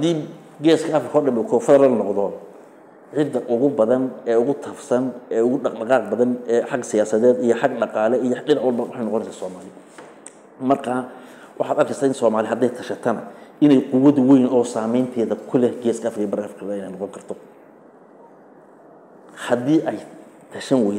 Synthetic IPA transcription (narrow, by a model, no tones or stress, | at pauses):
hɐd̪iː | ɡɛːskʰɐɐfrɾɪkʰɔːɖɐmbɛkʰɔːfɐðɐlɐnɔqðɔ | ʕɪd̪ːɐʔʊɣʊbɐðɐnɛːʊɣʊt̪ʰɐfsɐnɛːʊɣʊɖɑqɖɑqɑːq̚bɐðɐnɛːħɑɡsɪjaːsɐðɛːd̪ijɔħɑɡɖɑqɑːlɛijɔɖɪnɑʕʊlbɐwɑħɑjnɔqɔnɛjsaːsɔːmaːlɪ | mɐrkʰaː | wʔɑħɑːd̪ɐrkʰɛjsaːɪnsɔːmaːlɪɦɐd̪ɛjt̪ʰɐʃɐt̪ʰɐnɐʔɪnɛjqʊwɐðwɛjnɔːsaːmɛjnt̪ʰɛːðɐkʰʊlɛhɡɛːskʰɐːfkʰijbɐɾɐfkʰɐðaɪnɛjnɔqɔŋkʰɐrt̪ʰɔ | hɐd̪iːʔɛj | t̪ʰɐʃɐnwɛ